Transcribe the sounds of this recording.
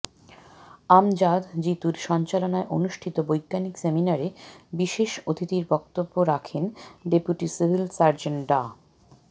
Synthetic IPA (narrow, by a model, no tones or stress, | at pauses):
amd͡ʑad̪d͡ʑit̪uɾʃɔnt͡ɕalonaeʔonuʃʈʰit̪obojɡːanikseminaɾebiʃeʃot̪ʰit̪iɾbɔk̚t̪obːoɾakʰenɖepuʈisibʱilsaɾd͡ʑeɳɖa